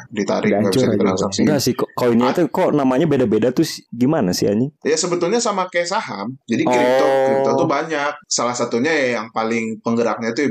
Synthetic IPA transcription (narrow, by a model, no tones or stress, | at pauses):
dit̪a̰ɾɪɡabd͡ʒisait̪əla̰saŋsɡasɪhkkaloiniɲat̪ukonamaɲabedabedat̪usɪ̥ɡimanasia̰ɲijasəbət̪ulɲasamakajasahamd͡ʒadikɾɔip̚t̪ɔkɾip̚t̪ɔt̪ubaɲak̚salahsat̪uɲajajaŋpalɪŋpəŋɡəɾak̚ɲat̪u